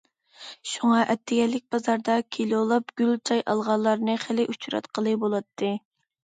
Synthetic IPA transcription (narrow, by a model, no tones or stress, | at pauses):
ʃuŋɑʔɛt̪ʰːɪɡʲɛlːɪk̚ʲbɑzɑɾd̪ɑkʲʰelolˠɑp̚ɡʲylt͡ʃʰɑjʔɑlˠʁɑlˠːɑɾnɨχɪlɪʔut͡ʃʰɾɑ̰t̪qʰəlˠɨbolˠɑt̪ʰːɨ